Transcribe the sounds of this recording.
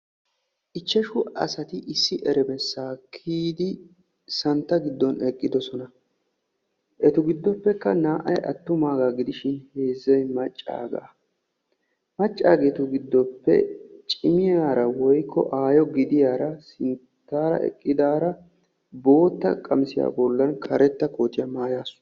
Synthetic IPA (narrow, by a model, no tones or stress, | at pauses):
ʔɪt͡ʃːɛʃʊɐ̰sɐt̪ɪʔɪsːɪʔɛɾɛbɛsːaːkʰiːd̪ɪ | sɐnt̪ːɐɡɪd̪ːɔnɛkʼːɪd̪ɔsɔnɐ | ʔɛt̪ʊɡɪd̪ːɔpːɛkːɐnaːʔɐ̰jʔɐ̰t̪ːʊmaːɡaːɡɪd̪ɪʃɪnhe̞ːzːɐjmɐt͡ʃʼːa̰ːɡa̰ː | mɐt͡ʃʼːa̰ːɡeːt̪ʊɡɪd̪ːɔpːɛ̰t͡ʃʼɪmɪjaːɾɐwɔjkːɔ̰ʔaːjɔɡɪd̪ɪjaːɾɐsɪn | t̪ːaːɾɐ̰ʔɛ̰kʼːɪd̪aːɾɐ | bo̞ːt̪ːɐ̰kʼɐmsɪja̰ːbɔlːɐnkʰɐɾɛt̪ːɐko̞ːt̪ːɪjɐmaːjaːsʊ̥